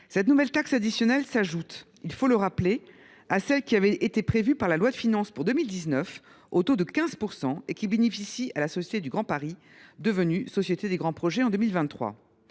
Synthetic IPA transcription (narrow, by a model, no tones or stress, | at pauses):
sɛt̪nuvɛlt̪aksad̪isjɔnɛlsaʒut̪ | ilfoləʁaple | asɛlkʲiavɛet̪epχevypaʁlalwad̪əfinɑ̃spuʁd̪əmild̪iznœf | ot̪od̪əkʲɛ̃zpuʁsɑ̃ekʲibenefisialasɔsjet̪ed̪yɡʁɑ̃paʁi | d̪əvənysɔsjet̪ed̪eɡʁɑ̃pχɔʒɛɑ̃d̪əmilvɛ̃nt̪ːχwa̰